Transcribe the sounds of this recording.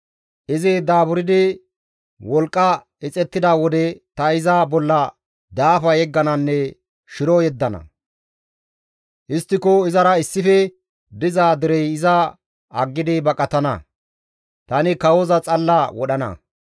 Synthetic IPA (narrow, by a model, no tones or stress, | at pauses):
ʔɪzɪd̪aːbʊɾɪd̪ɪ | wɔlkʼːɐ | ɪt͡sʼɛt̪ːɪd̪awɔd̪ɛt̪ɐɪzabɔlːɐ | d̪aːfɐjɛɡːɐnɐnːɛ | ʃɪɾɔjɛd̪ːɐnɐ̰ | ʔɪst̪ːɪkoɪzɐɾɐɪsːɪfɛ | d̪ɪzaːd̪ɪɾɛjɪzɐ | ɐɡːɪd̪ɪbɐkʼɐt̪ɐnɐ̰ | t̪ɐnɪkɐwozɐt͡sʼɐlːawɔɗɐnɐ̰